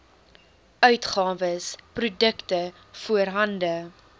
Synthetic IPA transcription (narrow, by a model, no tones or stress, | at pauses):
œɥtχɑːvəsprudəktə | fuərɦɐndə